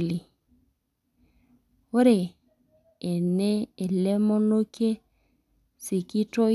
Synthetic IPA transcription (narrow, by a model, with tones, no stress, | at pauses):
li˨ | o˦ɾe˨ | e˨ne˦e˨le˦mɔ˦no˦ke˦ | si˨ki˦tɔ˦